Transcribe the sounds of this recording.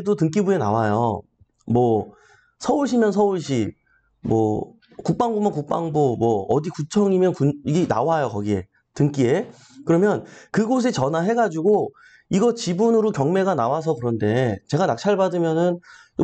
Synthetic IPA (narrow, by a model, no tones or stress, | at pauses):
edotɯŋk͈ibuena̰wajo̰ | mwʌ | sʰʌuɭɕ̬ʰimjʌnsʰʌuɭɕ̬ʰi | mwʌ | kuk̚p͈aŋbumakuk̚p͈aŋbomwʌːdikut͡ɕʰʌŋimjʌnkuniɡena̰wajokʌɡie̞ | tɯŋk͈ie̞ | kɯɾʌmjʌnkɯɡos̬ʰet͡ɕʌnaɦe̞ɡad͡ʑuɡo | iɡʌt͡ɕibunɯɾokjʌŋme̞ɣanawas̬ʰʌkɯɾʌnde̞t͡ɕe̞ɡanak̚t͡ɕʰaɭbadɯmjʌnɯn